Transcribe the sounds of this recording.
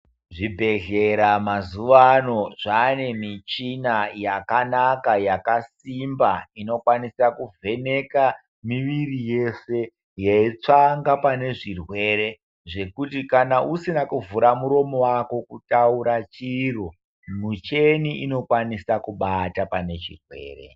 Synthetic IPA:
ʐibʱe̞ɮe̞ɾamazuʋano̞ʐane̞mit͡ʃinajakanakajakasimbaino̞kwanisakuve̞ne̞ka | miʋirije̞se̞ | jeit͡ʂaŋɡapane̞ʐirwe̞ːɾe̞ | ʐe̞kutikanaʔusinakuvuɾamuɾo̞mo̞wako̞kutauɾat͡ʃiro | mut͡ʃe̞niʔino̞kwanisakuɓatapane̞t͡ʃirwe̞̰ːre̞̰

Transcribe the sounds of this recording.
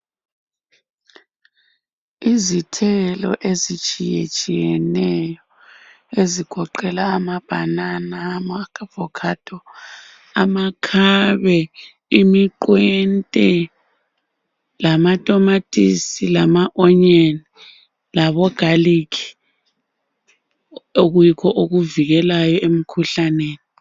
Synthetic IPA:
izitʰɛlɔ̰ʔezit͡ʃʼijḛt͡ʃʼijɛnɛjɔ | eziɡ̥ʰʱɔǃɛlaːmab̥ʱa̰nanamakvɔkʰad̥ʰʱʼɔ | amakʰaβɛ | imiǃwɛntʼɛ | lamatʼɔmatʼisilamaʔɔɲeni | laβɔɡ̥ʱalikʰi̥ | oɣujikʰɔʔoɣuviɣɛlajɔem̩kʰuɬaneːni

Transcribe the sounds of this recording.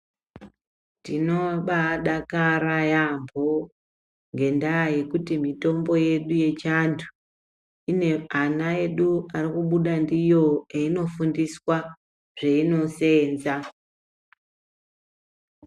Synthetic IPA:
ndino̞ɓaɗakaɾajambʱo̞ | ŋɡe̞ndaaje̞kutimito̞mbo̞je̞ɗuje̞t͡ʃantʰu̥ | ine̞anae̞ɗuarikuɓuɗandijo̞eino̞fundiswa | ʐeino̞se̞ːnza

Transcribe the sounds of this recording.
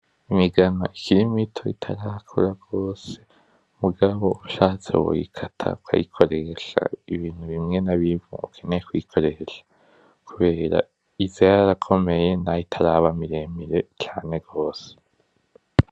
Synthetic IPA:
imiɡanoʔikʰiɾimitʰo̞itʰaɾakʰṵɾaɡ̥o̞ːse̞̥ | muɡaβo̞uʃaːt͡sḛṵwṵḭkʰatʰa̰ukʰa̰jḭkʰo̞ɾe̞ʃa̰iβiːn̥huβimŋe̞naβivṵukʰe̞nekwiːkʰo̞ɾe̞ʃḁ | kʰuβe̞ːɾa̰ | izejaɾakʰo̞me̞je̞naitʰaɾaβamiɾe̞ːmiɾe̞t͡ʃaːne̞ɡo̞ːse̥

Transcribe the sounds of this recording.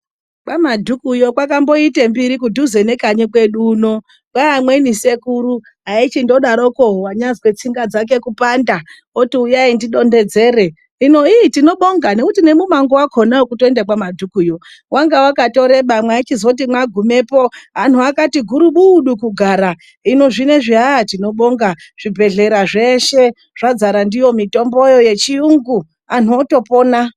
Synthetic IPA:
kamadʱukujo̞kwakambo̞itembiɾikudʱuze̞ne̞kaɲikwe̞ɗuːno | kwaːmwenise̞kuɾu | ɦait͡ʃindo̞ɗaɾokoɦowaɲazwet͡siŋɡad͡zak̬e̞kupanda | otiujaindiɗo̞nde̞d͡ze̞re | ino̞itino̞ɓoŋɡane̞kutine̞mumaŋɡowakʰo̞nawokutoendakwamadʱukujo | wʔaŋɡawakato̞ɾe̞ɓamwaat͡ʃizout̬imwaɡʱume̞po̞ɦan̤uakatiɡʱuɾuɓuɗukuɡʱaɾa | ino̞ʐine̞ʐiɦatino̞ɓo̞ŋɡa | ʐ̥ibʱe̞ɮe̞ɾaʐe̞ʃe̞ | ʐ̥ad͡zaɾandijo̞mito̞mbo̞jo̞je̞t͡ʃiuŋɡu | an̤uoto̞po̞ːna

